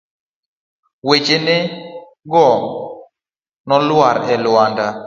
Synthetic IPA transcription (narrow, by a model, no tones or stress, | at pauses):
wet͡ʃene | ɡɔ | nɔlwaɾɛlwanda